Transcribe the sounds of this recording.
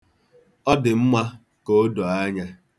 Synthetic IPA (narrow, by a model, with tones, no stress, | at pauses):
ɔ˦dɪ˨m̩˦mʷa˦ | ko˦do˨a˦ɲa˦